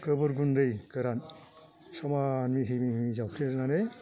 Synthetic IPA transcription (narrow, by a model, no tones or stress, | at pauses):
kɯbɯɾɡunɾɯjkɯɾan | sɔmanmiɦɯjmimizawkʰɾeɾnane